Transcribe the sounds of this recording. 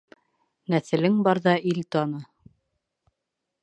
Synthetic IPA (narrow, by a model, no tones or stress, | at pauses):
næθɘ̆lɘŋbɑɾðɑʔilt̪ɑnɤ